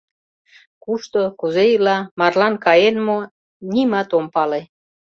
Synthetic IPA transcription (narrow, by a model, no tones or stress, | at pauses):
kuʃt̪okuzejilɑmɑrlɑnkɑjenmo | nʲimɑt̪ompɑle